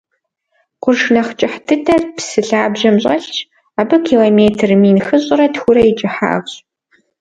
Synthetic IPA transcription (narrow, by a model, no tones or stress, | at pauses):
qʷʊrʂnɐχt͡ʃʼɪħtʰɨdʰɐrpsɨɬaːbʒɐmɕʼɐɬt͡ʃʰ | aːbɨkʰiːloːmeːtʰrmiːnxɨɕʼʊrɐtxʷʊɾɐjɪt͡ʃʼɪħa̰ːʁɕʼ